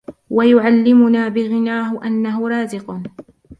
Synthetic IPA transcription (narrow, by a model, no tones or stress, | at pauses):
wajʊʕalːɪmʊnaːbɪɣɪnaːɦʊʔanːaɦʊɾˤɑːzɪq